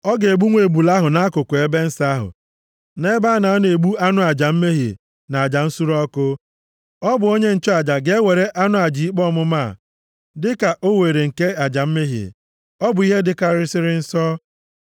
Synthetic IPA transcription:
ɔ˦ɡe˨ɡ͡bu˦ŋʷe˨bu˨la˦ɦʊ˨na˦kʊ˨kʷe˦be˦n̩˦sa˦ɦʊ̰˨ | ne˦ba˦na˨a˦n˦˨e˨ɡ͡bu˦a˦nʊ˦a˨d͡ʒa˨m̩˦me˦ɦi˨ | na˨a˨d͡ʒa˨n̩˦su˦ɾɔ˦kʊ˦ | ɔ˦bʊ˨o˦ɲe˦n̩˨t͡ʃɔ˦a˨d͡ʒa˨ɡe˦e˦we˨ɾe˦ʔa˦nʊ˦a˨d͡ʒi˨i˦k͡pɔ˦˨mʊ˦ma˦˨ | dɪ˦ka˨ʔo˦we˨ɾe˨ŋ̩˨ke˦a˨d͡ʒa˨m̩˦me˦ɦḭ˨ | ɔ˦bʊ˨i˦ɦe˦dɪ˦ka˦ɾɪ˦sɪ˦ɾɪ˦n̩˦sɔ˦

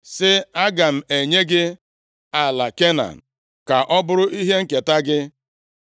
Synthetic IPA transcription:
sɪ˦a˦ɡa˨m̩˨e˨ɲe˦ɡɪ˦ | a˨la˨ke˦na̰˨n̩˨ | ka˨ʔɔ˦bʊ˦ɾʊ˦ʔi˦ɦe˦ŋ̩˦ke˨ta˦ɡɪ˦

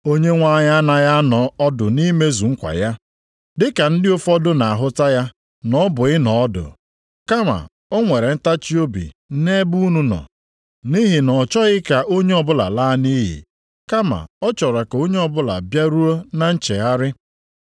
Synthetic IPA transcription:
o˦ɲe˦ŋʷa˦ɲa˦na˨ja˦nɔ˨ɔ˦dʊ˨ni˦me˦zu˨ŋ̩˦kʷa̰˨ja˦ | dɪ˦ka˨n̩˦dɪ˦o˦fɔ˦dʊ˦na˨a˨ɦʊ˦ta˦ja˦ | nɔ˦bʊ˨ɪ˦nɔ˨ɔ˦dʊ̰˨ | ka˦ma̰˨ | ɔ˦ŋʷe˨ɾe˨n̩˦ta˦t͡ʃi˦o˦bḭ˨˦ne˦bu˦nu˦nɔ̰˨ | ni˦ɦi˨nɔ˨t͡ʃɔ˦ɣɪ˦ka˨ʔo˦ɲe˦ɔ˨bʊ˦la̰˨laː˦ni˦ɦḭ˨ | ka˦ma̰˨ɔ˦t͡ʃɔ˨ɾa˨ko˦ɲe˦ɔ˦bʊ˦la̰˨bja˦ɾu˦o˦na˦n̩˦t͡ʃe˨ɣa˦ɾɪ˦

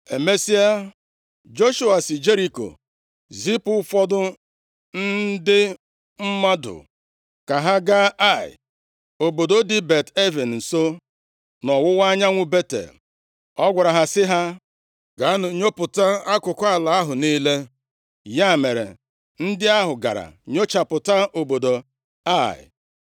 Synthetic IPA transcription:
e˨me˦si˦a˦ | d͡ʒo˦ʃu˦a˨si˨d͡ʒe˦ɾi˦ko̰˨ | zi˦pʊ˦fɔ˦dʊ˦ | n̩˦dɪ˦ | m̩˦ma˦dʊ̰˨ | ka˨ɦa˦ɡa˦a˦˨ɪ̰˨ | o˨bo˨do˦di˦be˨te˦vi˨n̩˨n̩˨so˦ | nɔ˨wʊ˦wa˦ɲa˦ŋʷʊ˦be˦tḛ˨l | ɔ˦ɡʷa˨ɾa˨ɦa˨sɪ˦ɦa˦ | ɡa˨˦nʊ˨ɲo˦pʊ˨ta˦a˦kʊ˨kʷa˨la˨a˦ɦʊ˨niː˦le˦ | ja˦˨me˨ɾḛ˨ | n̩˦dɪ˦a˦ɦʊ˨ɡa̰˨ɾa̰˨ɲo˦t͡ʃa˨pʊ˨ta˦ʔo˨bo˨do˨ | a˦˨ɪ̰˨

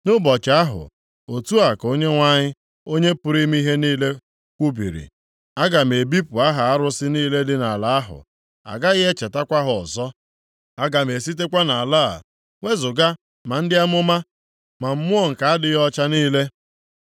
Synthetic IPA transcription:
nʊ˦bɔ˨t͡ʃa˨a˦ɦʊ̰˨ | o˨tu˦a˨ko˦ɲe˦ŋʷa˦ɲɪ˦ | o˦ɲe˦pʊ˦ɾi˦m˦i˦ɦe˦niː˦le˦ | kʷu˦bi˨ɾḭ˨ | a˦ɡa˨m̩˨e˨bi˦pʊ˨a˦ɦa˨a˦ɾʊ˦sɪ˦niː˦le˦dɪ˦na˨la˦a˦ɦʊ̰˨ | a̰˨ɡa˦ɣɪ˦e˦t͡ʃe˨ta˦kʷa˦ɦʊ˨ɔ̰˨zɔ˦ | a˦ɡa˨m̩˨e˨si˦t̬e˦kʷa˦na˨la̰ː˦˨ | ŋʷe˦zʊ˨ɡa˦ | ma˨n̩˦dɪ˦a˦m˦ʊ˦ma˦ | ma˨m̩˦mʊ˦ɔ˦ŋ̩˨ka˨a˦dɪ˦ɣɔ˦t͡ʃa˦niː˦le˦

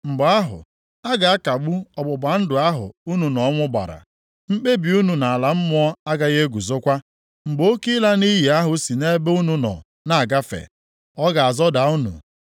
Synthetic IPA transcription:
m̩˨ɡ͡bʊ˨a˦ɦʊ̰˨ | a˦ɡa˨a˦ka˨ɡ͡bu˦ɔ˨bʊ˨ba˨n̩˦dʊ˨a˦ɦʊ̰˨u˦nu˨nɔ˨˦ŋʷʊ˦ba̰˨ɾa̰˨ | m̩˦k͡pe˦bi˨u˦nu˨na˨a˨la˨m̩˦mʊ˦ɔ˦a˦ɡa˦ɣe˦ɡu˨zo˦kʷa˦ | ŋ͡m̩˨ɡ͡bo˦ki˦la˦ni˦ji˨a˦ɦʊ˨si˨ne˦be˦u˦nu˨nɔ̰˨ | na˦˨a˨ɡa˦fḛ˨ | ɔ˦ɡa˨a˨zɔ˦da˨u˦nṵ˨

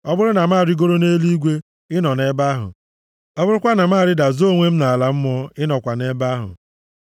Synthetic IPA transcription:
ɔ˦bʊ˦ɾʊ˦na˨m˦aː˦˨ɾɪ˦ɡo˦ɾo˦ne˦li˦ɡʷe˦ | ɪ˦nɔ˨ne˦ba˦ɦʊ̰˨ | ɔ˦bʊ˦ɾʊ˦kʷa˦na˨m˦aː˦˨ɾɪ˦da˨zo˦˨ŋʷe˦m̩˦na˨la˦m̩˦mɔ˦ɪ˦nɔ˨kʷa˨ne˦ba˦ɦʊ̰˨

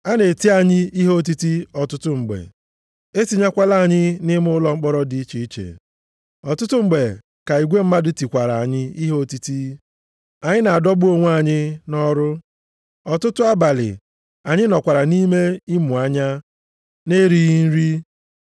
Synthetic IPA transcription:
a˦ne˨ti˦a˨ɲɪ˦i˦ɦe˦o˦t̬i˦ti˦ɔ˨tʊ˦tʊ˦ŋ͡m̩˨ɡ͡bḛ˨ | e˦ti˨ɲa˦kʷa˦la˦˨ɲɪ˦nɪ˦mʊ˦ʊ˦lɔ˨ŋ͡m̩˦k͡pɔ˦ɾɔ˦di˨˦i˦t͡ʃi˨i˦t͡ʃḛ˨ | ɔ˨tʊ˦tʊ˦ŋ͡m̩˨ɡ͡be˨ | ka˨i˨ɡʷe˦m̩˦ma˦dʊ˦ti˨kʷa˨ɾa˨a˨ɲɪ˦i˦ɦe˦o˦ti˦ti˦ | a˨ɲɪ˦na˨a˨dɔ˦bu˦o˦ŋʷ˦a˨ɲɪ˦nɔ˦ɾʊ˦ | ɔ˨tʊ˦tʊ˦a˦ba˨lɪ̰˨ | ka˨ɲɪ˦nɔ˨kʷa˨ɾa˨ni˦me˦i˦mʊ˨a˦ɲa˦ | ne˦ɾi˦ɣi˦n̩˦ɾi˦

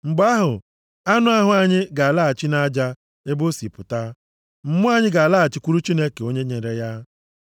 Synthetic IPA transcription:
ŋ͡m̩˨ɡ͡ba˦ɦʊ˨ | a˦nʊ˦a˦ɦʊ˨˦a˨ɲɪ˦ɡa˨a˨la˦a˨t͡ʃi˦na˦d͡ʒa˦ | e˦bo˦si˨pʊ˨ta˦ | m̩˦mʊ˦a˨ɲɪ˦ɡa˨a˨la˦a˨t͡ʃɪ˦kʷu˦ɾu˦t͡ʃi˦ne˦ke˨o˦ɲe˦ɲe˨ɾe˨ja˦

